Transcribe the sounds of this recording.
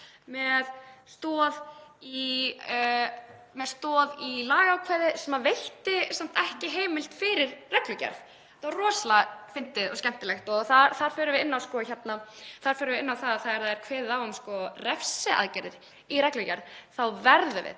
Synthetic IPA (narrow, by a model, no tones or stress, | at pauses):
mɛðst̪ɔːði | mɛðst̪ɔːðilaːɣawkʰvɛːðɪsɛmavejht̪ɪsam̥t̪ɛhcɪɦeːjmɪlt̪fɪɾɪɾrɛklʏcɛ̰ɾð | θarɔːsalafɪnt̪ɪðɔ̰scɛm̥t̪ɪlɛxt̪ɔθaɾθaɾ̥fœːɾʏvɪðɪnːawskɔçɛt̪naθaɾ̥fœːɾʏvɪɪnːawθaðaθaðɛɾ̥θaðɛɾ̥kʰvɛːððawʏmskɔrɛfsɪa̰ðcɛɾðɪɾ | iɾɛklʏcɛɾðθawvɛɾðʏvɪ̰